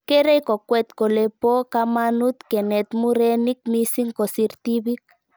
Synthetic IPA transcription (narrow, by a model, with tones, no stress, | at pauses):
ke˦ɾe˦iko˨kwɛt̪ko˨lepo˦ka˧manu˦t̪ke˨nɛ˨t̪mu˦ɾɛ˦ni˦k̚mi˦si˦ŋko˨si˧ɾt̪i˦βi˦k̚